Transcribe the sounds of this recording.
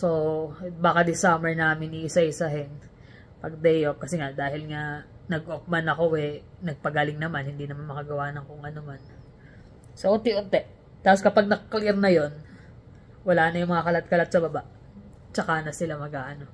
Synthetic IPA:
so̞baːkɐd̪ɪsamɛɹnaːmɪniʔɪsaʔɪsɐɦɛn | pɐɡ̚d̪ɛjop̚kɐsɛŋad̪aːhɪlŋanɐɡʔop̚mɐnɐko̞ʔɛnɐɡ̚pɐɡaːlɪŋnɐmanhɪnd̪iːnɐmanmɐkɐɡɐwaːnɐŋkʊŋʔɐnoman | soʔot̪ɪʔont̪ɛʔ | t̪aːposkɐpaɡ̚nɐklɪɾnɐjo̞n | wɐlaːnɐjʊŋmɐŋɐkɐlat̪̚kɐlat̪̚sɐbɐbaʔ | t͡ʃɐkanɐsɪlamɐɡaːʔɐno̞

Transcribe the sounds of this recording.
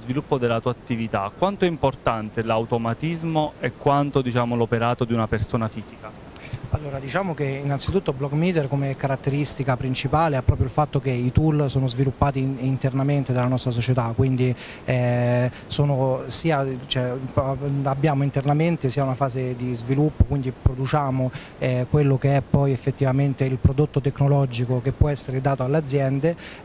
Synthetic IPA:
zvilupːod̪elːat̪uːaat̪ːivit̪akːwant̪oɛimport̪ant̪elawt̪omat̪izmoɛkːwant̪od̪it͡ʃaːmolopeɾaːt̪od̪iunapersoːnafiːzika | alːoːɾad̪it͡ʃaːmok̟einːant̪sit̪ut̪ːoblɔɡmid̪erkomekaɾat̪ːeɾist̪ikapɾint͡ʃipaːleapːɾɔːpɾjoilfat̪ːokeit̪ulsoːnozvilupːaːt̪iːnt̪ernament̪ed̪alːanɔst̪ɾas̬ot͡ʃet̪akːwind̪i | ɛ | soːnosiːat͡ʃoɛ | abːjaːmoint̪ernament̪esiːaunafaːzed̪izvilupːokwind̪ipɾod̪ut͡ʃaːmo | ɛkwelːokeɛpːɔjefːet̪ːivament̪eilpɾod̪ot̪ːot̪ekːnolɔd͡ʒikokepːwɔɛsːeɾed̪aːt̪oalːead̪zːjɛnd̪e

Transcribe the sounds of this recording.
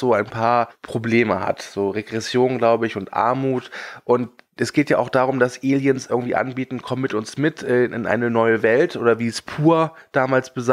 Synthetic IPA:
z̥oːaɪnpʰaːɐpʁ̥obleːməha̰tz̥oːʁeɡʁɛsjoːnɡlaʊbəɪçʊntʔa̰ɐmuːtʔʊntʔɛsɡ̥eːtjaːʔaʊxd̥aːʁ̞ʊmd̥asʔeːljənsʔɪɐɡŋ̩tv̥ḭːʔa̰nbiːtn̩kʰɔməmɪtʔʊnsmɪtʰʔɛːʔɪ̰nʔa̰ɪnənɔʏəvɛltʔoːdɐviːspʰuːɐ | d̥aːmaːlsb̥əza

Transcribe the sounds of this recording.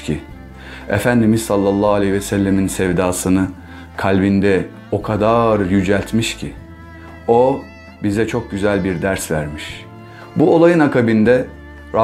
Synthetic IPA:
cʰi | ḛfænd̪imizsalˠːɑlˠːɑːalʲehvɛsælʲːeminsɛvd̪aːsɯnɯ | kʰalʲbind̪ɛ | o̞kʰad̪aɾjyd͡ʒælʲt̪miʃcʰi | o̞ | bizɛt͡ʃʰo̞k̚ɟyzælʲbiɾd̪æɾsvæɾmiʃ | buo̞lˠajɯnakʰabind̪ɛ | ɾa

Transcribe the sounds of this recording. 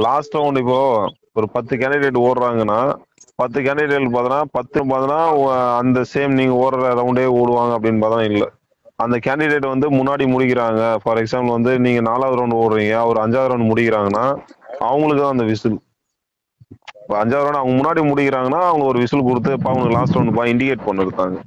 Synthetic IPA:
laːsʈɾɐʊɳɖɪpːoː | ɔɾɯpɐt̪ːɯk̬aːɳɖɪɽeːʈ̬ːoːɽɾaːŋɡɐnːaː | pɐt̪ːɯkaːɳɖɪɖeːʈpaːt̪ɪnaːpɐt̪ːɯpaːt̪ɪnaːɐɡɐɐnd̪ɐseːmniːŋɡɐoːɾɐɾɐɾɐʊɳɖeːoːɽɯʋaːŋɡɐɐp̬ːɐɽɪnːpaːt̪ːnãːɪlːɐ | ɐnd̪ɐkaːɳɖɪɽeːʈ̬ːɯʋɐnd̪ɯmʊnːaːɽimʊɽɪkːɪɾaːŋɡɐfɐɾɛksaːmpɐlʋɐnd̪ɯniːŋɡɐnaːlaːʋðɾɐʊɳɖɯoːɽɾiːŋɡɐːʋɐɾɯɐɲd͡ʒaːðɾɐʊɳɖmʊɽɪkɪɾaːŋɡɐnːaːʔɐʋɐŋɡɐɭɯk̬ːɯt̪ãːɐnd̪ɐʋɪsɯl | pːoɐɲd͡ʒaːðɾɐːɳɐʋɐŋɡɐmʊnːaːɽimʊɽɪkɪɾaːŋɡɐnːaːɐʋɐŋɡɐɔɾɯʋɪsɯlk̬ʊɽɯt̪̬ːɯɪpːaːɐʋɐŋɯkːɯlaːsʈɾɐʊɳɖɯpaːɪɳɖɪkeːʈpɐɳːɐɽɯt̪ːaːŋɡɐ

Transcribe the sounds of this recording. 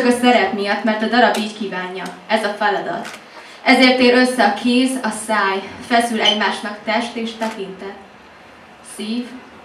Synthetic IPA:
ɒkɒsɛɾɛpmijɒt̪mɛrt̪ɒd̪ɒɾɒbiːckiːvaːɲːɒɛzɒfɛlɒd̪ɒ̰t̪ | ʔɛzeːrt̪eːɾø̞sːɛɒkʰeːzɒsaːjfɛsylɛɟmaːʃnɒkt̪ɛʃt̪eːʃt̪ɛkint̪ɛt̪ | siːv

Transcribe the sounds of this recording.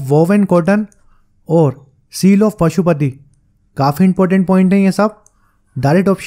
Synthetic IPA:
ʋɔːʋenkoːɾʈən | ɔːɾ | siːlɔːfpɐʃupət̪̬i | kaːfiɪ̃mpɔːɾʈə̃ɳʈ̚pɔːɪ̃ɳʈɦɛ̃jẽsɐb̚ | ɖaːɾeʈɔːpʃ

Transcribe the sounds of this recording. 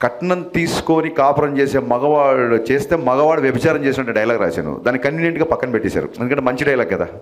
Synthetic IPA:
kɐʈːɐnɐnt̪iːsu̥koːnikaːpɐɾɐmt͡ʃeːseːmɐɡɐʋaːɽut͡ʃeːst̪eːmɐɡɐʋaːɽuʋjɐbʱɐt͡ʃaːɾɐmt͡ʃeːsiɐɳʈɐ̃ɖɐjɐlaːɡɾa̰ːsa̰ːnṵd̪aːnːikɐɳinjeɳʈɡaːpɐkːɐnpeʈːiːsa̰ːɾṵenukɐɳʈemɐɲt͡ʃiɖɐjlaːɡ̚kɐd̪a̰ː

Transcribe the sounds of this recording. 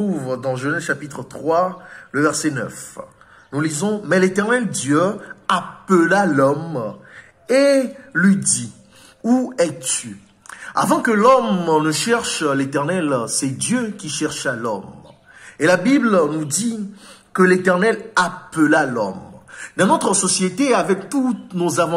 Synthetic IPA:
uvd̪ɑ̃ʒənɛʃapit̪χət̪χwaləvɛʁsɛnœ̰f | nulizɔ̃mɛlet̪ɛʁnɛld̪jøapəlalɔm | elɥid̪i | uɛt̪y | a̰vɑ̃kəlɔmnəʃɛʁʃlet̪ɛʁnɛlsɛd̪jøkʲiʃɛʁʃalɔ̰m | elabiblnud̪i | kəlet̪ɛʁnɛlapəlalɔ̰md̪ɑ̃not̪χəsɔsjet̪eavɛk̚t̪unozavɑ̃

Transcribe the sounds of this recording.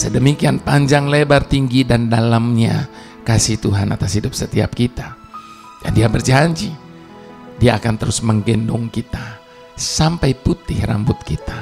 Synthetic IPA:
sədəmikianpaɲd͡ʒaŋlebart̪iŋɡidandalamɲa | kasiht̪uɦana̰t̪ashidʊp̚sət̪ia̰p̚kit̪a | da̰ndiabərd͡ʒaɲd͡ʒi | diaːkant̪əɾʊsməŋɡɛndɔŋkit̪a | sampajput̪ɪhra̰mbʊt̪̚kit̪a

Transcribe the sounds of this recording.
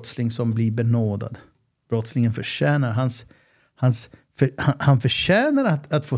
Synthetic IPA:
t̪slɪŋsɔmblɪɾbɛnoːd̪a̰d̪ | b̥ɾɔt̪slɪŋənfœʂɛːnaɾɦans | hansfœhahanfœʂɛːnaɾat̪at̪foː

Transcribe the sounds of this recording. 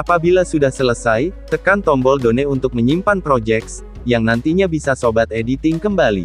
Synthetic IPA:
ʔapabilasudahsələsajt̪əkant̪ɔmbɔldonɛunt̪ʊk̚məɲimpanpɾod͡ʒɛk̚s | jaŋnant̪iɲabisasobat̪̚edit̪ɪŋkəmbalḭ

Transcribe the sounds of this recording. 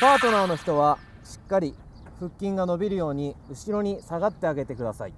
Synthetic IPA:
paːt̪o̞naːno̞çi̥t̪o̞βa | ɕi̥kːaɾʲi | ɸɯ̟kʲːĩŋɡano̞bʲiɾɯ̟jo̞ːɲ̟iɯ̟ɕiɾo̞ɲ̟isaɡat̪ːe̞aɡe̞t̪e̞kɯ̟d̪asa̰ḭ

